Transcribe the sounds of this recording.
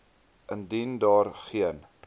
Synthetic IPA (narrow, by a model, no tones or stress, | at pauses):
ʔəndindɑːrχiən